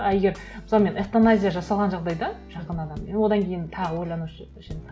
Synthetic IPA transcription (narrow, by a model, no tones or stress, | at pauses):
æeɡʲe̞ɾ | m̥sɑlˠme̞nʔeft̪onazʲijaʒɑsɑlˠʁɑnʒɑʁd̪ɑjd̪ɑʒ̥ɑqənɑd̪ɑmewo̞d̪ɑŋkʲʰe̞jɪnt̪ʰɑʁəwo̞jlˠɑnuʃ | ʃen